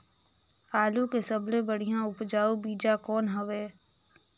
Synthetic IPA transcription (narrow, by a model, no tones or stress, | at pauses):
aːlukesɐblẽbəɽ̤ijãʊpd͡ʒaːubiːd͡ʒakɔːnɦɐʋeː